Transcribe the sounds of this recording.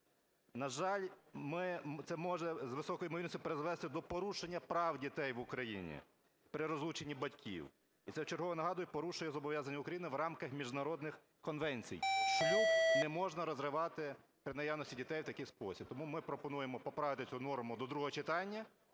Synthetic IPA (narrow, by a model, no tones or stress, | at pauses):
nɐʒɑlʲmɪt̪sɛmɔʒɛzʋɪsɔkɔjimɔʋilnɔsʲtʲʊpeɾezʋɛst̪ɪd̪ɔpɔɾuʃenʲːɐpɾɑwdʲit̪ɛjʋʊkɾɐjḭnʲḭ | pɾɪɾɔzlˠut͡ʃenʲːibɐtʲkʲḭw | it̪sɛt͡ʃɪɾɦɔʋɔɛnɐɦɑd̪ʊjɛpɔɾuʃʊjɛzɔbɔʋʲjazɐnʲːɐʊkɾɐjinɪʋɾɑmkɐxmʲiʒd̪nɐɾɔd̪nɪx | kɔnʋɛnʲt͡sʲḭjʃlʲunɛmɔʒnɐɾɔzɾɪʋɑt̪ɪ | pɾɪnɐjɑwnɔsʲtʲidʲit̪ɛjwt̪ɐkɪjspɔsʲib̚t̪ɔmumɪpɾɔpɔnujemɔpɔpɾɑʋɪt̪ɪt͡sʲunɔrmʊd̪ɔd̪ɾuɦɔɦɔt͡ʃɪt̪ɑnʲːɐ